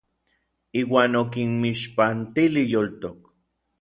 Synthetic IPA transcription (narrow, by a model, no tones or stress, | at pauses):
iːwaːnokinmiʃpant̪ilijolt̪ok